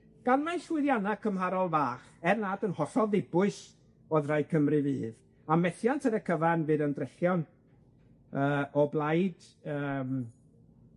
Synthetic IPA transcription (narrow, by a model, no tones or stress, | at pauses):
ɡ̥anmaɬwɪðjanakʰəmɦaɾɔlˠvaːχɛrnaːdənhɔsɔðdɪbʊɨs | ɔðrajkʰəmrɨviːð | amɛθjantʰəɾəkʰəvanvɨːðəndrɛɬjɔn | əːɔblˠajd̥ | əːm